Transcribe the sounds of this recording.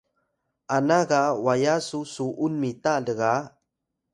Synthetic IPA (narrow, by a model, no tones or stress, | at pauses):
anaɣawajasusuʔunmitaɮəɣa